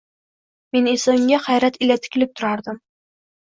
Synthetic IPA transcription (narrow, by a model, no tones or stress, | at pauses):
menesɪŋɡʲaχajɾat̪ɪlʲat̪ʰɪ̥kʲʰɪlɪp̚t̪ʰʊɾaɾd̪ɪm